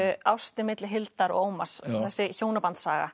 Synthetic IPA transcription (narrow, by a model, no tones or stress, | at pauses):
awst̪ɪmɪt̪lɪɦɪlt̪aɾɔ̰oːwmasθɛsːɪçoːwnapant̪saːɣa̰